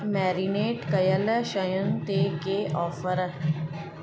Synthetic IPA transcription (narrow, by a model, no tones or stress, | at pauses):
mɛːɾineːʈkəjələʃəjənt̪eɡeːʔɔːfəɾ